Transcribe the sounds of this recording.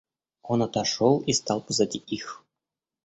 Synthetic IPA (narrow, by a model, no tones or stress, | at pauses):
onɑt̪ɑʂolˠist̪ɑlˠpɤ̆zɑdʲiʔix